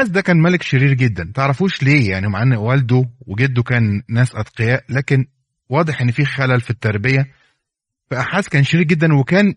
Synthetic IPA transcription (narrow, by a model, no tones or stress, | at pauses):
næːs̬d̪ækæːnmælekʃeɾiːɾɡed̪ːænt̪eʕɾˤɑfuːʃleːjaʕnimaʕanːæʔwæld̪oweɡed̪ːokæːnːæːsʔɑd̪qejæːʔlæːken | wɑːd̪ˤeħʔenːfiːxælælfit̪ːɑɾˤbejæ | fæʔæħaːsːkæːnʃeɾiːɾɡed̪ːænwekæːn